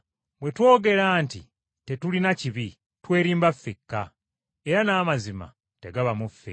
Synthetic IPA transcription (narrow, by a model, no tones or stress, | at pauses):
βwe̞two̞ːɡe̞ɾaːntḭ | te̞tulinaciβi | twe̞ːɾiːmbafːekːa | eɾanaːmazima̰ | teɡaβamufːḛ